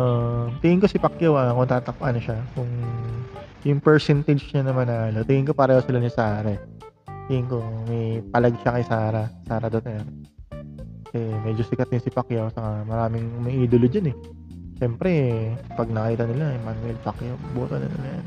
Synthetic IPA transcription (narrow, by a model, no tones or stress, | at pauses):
ʔot̪ɪŋɪŋko̞sɪpɐkjawʔakot̪aːt̪ɐkʔɐnoʃakʊŋ | jʊŋpɛɹsɛnt̪ɐd͡ʒɲɐnɐmanaːlot̪ɪŋɪŋkopaːɾɐhɐwsɪlanɪsaːɾɐ | t̪ɪŋɪŋko̞mɐjpɐlɐɡʃakɐjsaːɾɐsaːɾɐd̪ot̪ɛɾ | ɐsɛmɛd͡ʒosɪkɐt̪ɪnsɪpɐkjawsɐkamɐɾaːmɪŋmɛʔiːd̪olʊd͡ʒɐnɛ | ʃɛmpɾɛpɐɡ̚nɐkɐkiːt̪ɐnɪlamanwɛlpɐkjawboːt̪onɪ̰lanɐjan